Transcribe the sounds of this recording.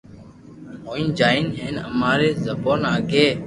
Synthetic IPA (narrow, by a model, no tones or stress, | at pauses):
ɦoːĩːnd͡ʒaːiːnɦeːnə̰maːɾeːzəboːnaːɡʱeː